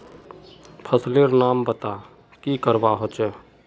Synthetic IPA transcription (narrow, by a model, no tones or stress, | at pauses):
pʰəsleɾnaːmbət̪a | kikəɾbaɦot͡ʃɛ